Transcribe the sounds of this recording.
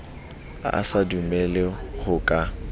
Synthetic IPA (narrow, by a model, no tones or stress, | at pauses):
a̰a̰sadumɛlɪhʊkʼa